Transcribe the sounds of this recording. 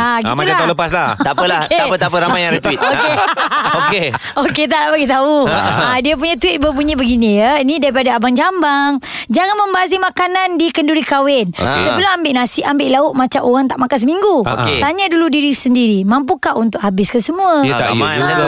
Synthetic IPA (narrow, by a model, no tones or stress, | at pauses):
aɡitulak̪aləpaslaht̪apəlaket̪apət̪apəɾamajãɾət̪it̪okeoke | oket̪̬aʔlabaɡit̪auadiəp̬uɲat̪wit̪̚bəbuɲibəɡinijəinĩdaɾipadaːbaŋd͡ʒambaŋ | d͡ʒaŋanməmbazimakanandikənduɾikawɪnsəbəlʊmambɪʔnasɪʔambɪʔlaʊʔ̚mat͡ʃamoɣaŋt̪aʔmakans̬əmiŋɡuo̰ktt̪aɲaduludiɾisəndiɾimampukaʔunt̪ʊʔhabɪskəsəmuat̪a̰a